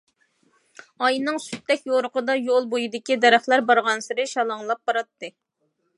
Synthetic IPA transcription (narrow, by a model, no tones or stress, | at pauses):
ɑjnɨŋsy̥t̪ʰːɛkʲjoɾʊqʰəd̪ɑjolˠbojid̪ɪkʲid̪ɛɾæχlæɾbɑɾʁɑnsɨɾɨʃɑlˠɑŋlˠɑp̚b̥ɑɾɑt̪ːɨ